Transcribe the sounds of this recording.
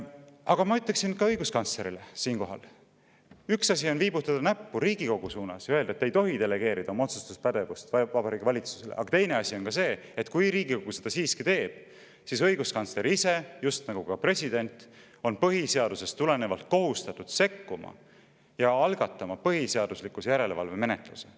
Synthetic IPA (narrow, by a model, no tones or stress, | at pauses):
ɑɡ̥ɑmɑyt̪ːˑeksinkɑɤjɡ̥uskɑnt̪sle̞ɾilesiːnko̞ɦɑ̰l | yksɑsʲio̞nviːbut̪ːˑɑd̪̥ɑnæpːuɾiːɡ̥iko̞ɡ̥usuːnɑsjɑøld̪ɑet̪ːejt̪o̞ɦid̪e̞le̞ɡ̥e̞ːɾid̪̥ɑomo̞t̪su̥st̪uspæd̪̥e̞vust̪vɑbɑɾiːɡ̥ivɑlʲit̪su̥se̞leʔɑ̰ɡ̥ɑt̪e̞jne̞ɑsʲio̞nkɑse̞ː | et̪kujɾiːɡiko̞ɡ̥use̞d̪̥ɑsiːskit̪e̞ːb̥ | sisɤjɡ̥uskɑnsle̞ɾise̞just̪nɑɡ̥ukɑpre̞sʲid̪̥e̞nʲt̪ | o̞npɤɦise̞ɑd̪̥use̞st̪ːule̞nevɑlt̪̚ko̞ɦust̪ɑt̪ːˑud̪̥se̞kːumɑ̰ | jɑɑlɡ̥ɑt̪ːˑɑmɑpɤɦise̞ɑd̪̥uslikːusjæɾe̞levɑlve̞me̞net̪ˑluse